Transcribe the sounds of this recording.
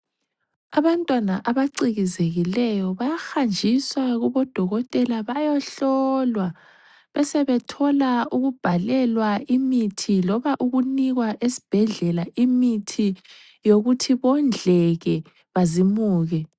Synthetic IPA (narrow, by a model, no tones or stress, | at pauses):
aβantʼwanaʔaβaǀiɣizeɣilɛjɔβajaxand͡ʒʱiswaɣuβɔd̥ʱɔɣɔtʼɛlaβajɔɬɔlwa | βɛsɛβɛtʰɔlauɣub̥ʱalɛlwaimitʰilɔβaʔuɣuniɣwaʔesi̥b̥ʱɛɮɛlaʔimitʰi | joɣutʰiβɔnd͡ɮʱɛɣɛ | βazimuːɣɛ